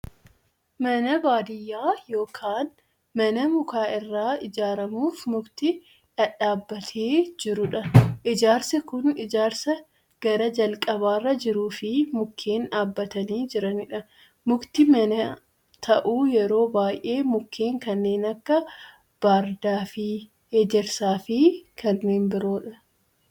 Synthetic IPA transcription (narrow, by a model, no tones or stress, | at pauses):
mɐnɐbaːd̪ɪjːaːjo̞ːkʰaːn | mɐnɐmʊkaːʔɪrːaːɪd͡ʒaːɾɐmuːfmʊɡt̪ɪ | ᶑɐᶑaːbːɐt̪ʰeːd͡ʒɪɾʊᶑɐʔɪd͡ʒaːɾsɐkʊnɪd͡ʒaːɾsɐ | ɡ̥ɐɾɐd͡ʒɐlkʼɐβaːrːɐd͡ʒɪɾuːfɪmʊkʰːe̞ːnᶑaːbːɐt̪ɐniːd͡ʒɪɾɐnɪᶑɐ | mʊkt̪ɪmɐnɐ | t̪ʰɐʔuːjɛɾo̞ːbaːjʔe̞ːmʊkʰːe̞ːŋkɐnːe̞ːnɐkːɐ | b̥aːɾd̪aːfɪ | heːd͡ʒɛɾsaːfɪkʰɐnːe̞ːnbɪɾo̞ːᶑɐ